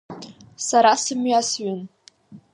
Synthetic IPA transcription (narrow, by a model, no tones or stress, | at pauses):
saɾasɨmɥasɥʏn